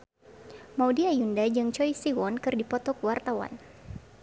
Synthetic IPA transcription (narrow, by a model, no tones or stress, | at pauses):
mawdiajundad͡ʒɨŋt͡ʃɔjsiwɔnkɨrdipɔt̪ɔkwart̪awa̰n